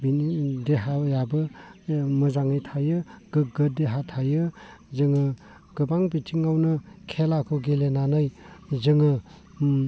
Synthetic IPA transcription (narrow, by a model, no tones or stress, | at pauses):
bindeɦajabɯ | mɯzaŋɯjtʰajɯɡ̥ɯɡɯdeɦatʰajɯzɯŋɯ | ɡ̥ɯbaŋbitʰiŋawnɯkʰelakʰɔɡelenanɯjzɯŋɯ